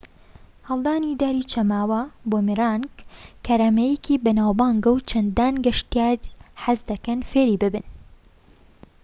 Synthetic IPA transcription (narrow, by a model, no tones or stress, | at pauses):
hɐlˠd̪aːnid̪aːɾit͡ʃʰɐmaːwɐboːmiɾaːnɡkʰːɐɾɐmɛjɛkibɐnaːwbaːŋɡɐwt͡ʃʰɐnd̪aːnɡɐʃt̪jaːɾħazd̪ɐkɐnfeːɾiːbɨbɨn